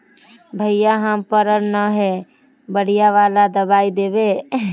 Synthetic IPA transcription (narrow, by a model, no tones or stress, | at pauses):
bʱəɪjaɦəmpəɾəɾnəɦɛ | bəɽ̤ijaʋaːlad̪əbaːid̪eːbe